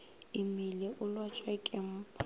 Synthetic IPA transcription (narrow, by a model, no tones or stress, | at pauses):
imileʔʊlwat͡ʃʼwɛkʼɪm̩pʰ